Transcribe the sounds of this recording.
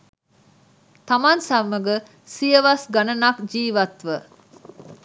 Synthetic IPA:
t̪ɐmansɐmːəɡə | sijəʋɐsɡɐnɐnɐkd͡ʒiːʋɐt̪ʋə

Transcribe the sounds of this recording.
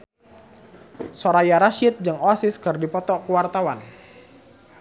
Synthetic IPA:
soɾajaɾaʃɪt̪̚d͡ʒɨŋoasɪskɨrdipɔt̪ɔkuwart̪awan

